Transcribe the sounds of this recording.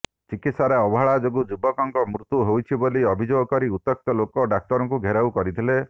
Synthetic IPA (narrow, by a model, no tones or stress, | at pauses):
t͡ʃikit̪saɾeɔbɔɦaɭad͡ʒoɡud͡ʒubɔkɔŋkɔmɾut̪uɦowt͡ʃʰiboliɔbʱid͡ʒoɡɔkɔɾiut̪ːɔk̚t̪ɔlokɔɖak̚t̪ɔɾɔŋk̬uɡʱeɾawkɔɾit̪ʰile